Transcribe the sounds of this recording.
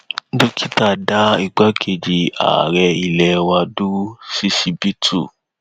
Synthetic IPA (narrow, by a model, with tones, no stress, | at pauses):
du˦kʰi˦ta˦˨da˦i˧ɡ͡ba˦kʰe˧˨d͡ʒi˧a̰˨ɾɛ˧i˧lɛ˧wa˧du˦si˦si˧bi˦tʰu˦˨